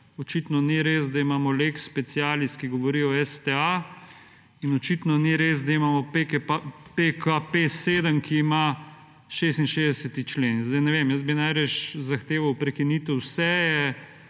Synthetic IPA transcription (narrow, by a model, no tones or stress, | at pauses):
ɔt͡ʃit̪nɔniɾezd̪aimaːmɔlekspɛt̪siaːlist̪kiɡɔʋɔɾiːɔɛst̪ɛa | inɔt͡ʃiːt̪nɔniɾez̬d̪aimamɔpepekʰapeseːd̪əmkʰiːma | ʃeːst̪inʃezd̪ɛsɛt̪it͡ʃlenzd̪ajnɛʋemjəzbinajɾɛt͡ʃzaxt̪eːʋawpɾɛkinit̪uwsɛjɛ